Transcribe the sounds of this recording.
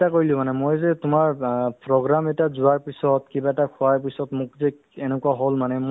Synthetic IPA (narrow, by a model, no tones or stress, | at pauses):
takoɹilʊ̃manɛmojzɛtʊmaɹpɹɔɡɹamɛtazʊaɹpisɔtkibaɛtakʰʊaɹpisɔtmʊkzɛ | enɛkuaɦolmanɛm